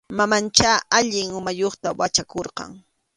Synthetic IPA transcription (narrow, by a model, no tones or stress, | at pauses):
mamant͡ʃaaʎɪŋʊmajoχt̪awat͡ʃakoɾqɑ̰ŋ